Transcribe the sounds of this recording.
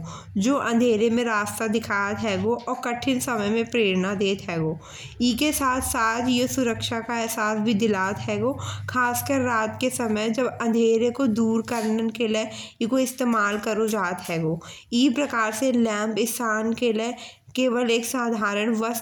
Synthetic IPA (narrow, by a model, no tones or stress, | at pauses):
d͡ʒoːʔɐ̃nd̪ʱeːɾemẽɾaːst̪ad̪ɪkʰaːt̪ɦɛːɡoʔɔːɾkəʈʰɪnsɐməjmẽpɾeːɾnad̪eːt̪ɦɛːɡoː | iːkesaːt̪ʰsaːt̪ʰjesʊɾəkʃakaɛɦsaːsbʱid̪ɪlaːt̪ɦɛːɡoːkʰaːskəɾːaːt̪kesɐməjd͡ʒɐbɐ̃nd̪ʱeːɾekod̪uːɾkəɾnənkeleikoɪst̪eːmaːlkəɾod͡ʒaːt̪ɦɛːɡoː | iːpɾɐkaːɾselɛ̃ːmpɪst̪ʰaːnkele | keːʋəleːksaːd̪ʱaːɾəɽ̃ʋəs